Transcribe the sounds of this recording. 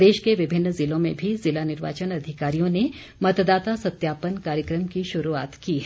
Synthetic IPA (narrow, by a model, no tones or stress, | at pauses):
d̪eːʃkeʋɪbʱɪnːzɪlõmḛ̃bʱizɪlanɪɾʋa̰ːt͡ʃənɐd̪ʱɪkaːɾijõne | mɐt̪d̪aːt̪asɐt̪jaːpənkaːɾjəkɾəmkiʃʊɾuaːt̪kiːɦ